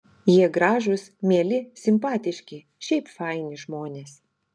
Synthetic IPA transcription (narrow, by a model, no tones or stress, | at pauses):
jiɛɡɾɑːʒʊsmʲiɛlʲɪsʲɪmpɑːt̪ʲɪʃʲkʲɪ | ʃʲɛɪpfɑˑɪnʲɪʒmoːnʲeːs